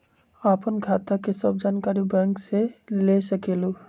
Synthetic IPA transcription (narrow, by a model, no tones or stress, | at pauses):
aːpənkʰaːt̪akesəb̚d͡ʒaːnkaːɾibɛ̃ːŋkselesɐkeːloː